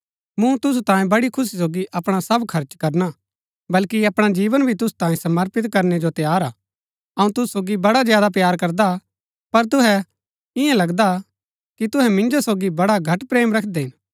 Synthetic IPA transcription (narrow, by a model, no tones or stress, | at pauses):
mũt̪ʊs̬ut̪ãːĩbɐɽikʰʊs̬is̬oːɡiʔɐpɽ̃asɐbkʰɐɾt͡ʃkɐɾna | bɐlkiɐpɽ̃ad͡ʒiːʋənbʱit̪ʊsu̥t̪ãːĩsɐməɾpɪt̪kɐɾned͡ʒot̪jaːɾaː | ɐũt̪ʊsusoːɡibɐɽazjaːd̪ap̬jaːɾkɐɾd̪a | pɐɾt̪ʊɦɛ | ɪjãlɐɡd̪a | kit̪ʊɦɛmɪ̃nd͡ʒosoːɡibɐɽaɡʱɐʈpɾeːmɾɐkʰd̪eɦɪ̃n